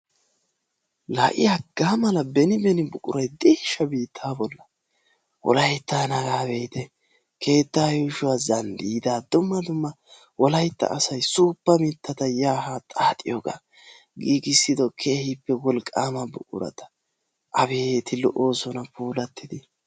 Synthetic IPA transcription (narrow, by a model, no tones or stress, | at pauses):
laʔɪ̰jaɡaːmɐlɐbɛnɪbɛnɪbʊkʼʊɾɐjd̪eːʃːɐbiːt̪ʰːaːbɔlːɐ | wɔ̰lɐjt̪ːaːnɐɡaːbejt̪ɛ | ke̞ːt̪ːaːjʊʃʊwaːzɐnd̪iːd̪aːd̪ʊmːɐd̪ʊmːɐ | wɔlɐjt̪ːɐ̰ʔːsɐjsuːpːɐmɪt̪ːɐt̪ɐjaːhaːt̪ʼaːt̪ʼɪjɔɡa̰ | ɡiːɡɪsːɪd̪ɔkʰe̞ːhɪpːɛwɔlkʼːaːmɐbʊ̰kʼʊ̰ɾɐ̰t̪ɐ̥ | ʔɐbe̞ːt̪ʰɪlɔʔoːsɔnɐpuːlɐt̪ːɪd̪ɪ